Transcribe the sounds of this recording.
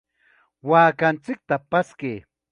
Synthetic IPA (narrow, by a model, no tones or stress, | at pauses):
waːkant͡sɪk̚t̪apaskej